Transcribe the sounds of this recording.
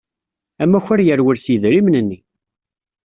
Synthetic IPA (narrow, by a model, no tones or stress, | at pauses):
æmːæçæɾjəɾwəɾsjəðɾimnənːi